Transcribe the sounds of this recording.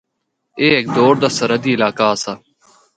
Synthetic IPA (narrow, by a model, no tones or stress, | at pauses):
eːeːk̚d̪oːɾd̪aːsəɾəd̪iːɪlaːkaːsaː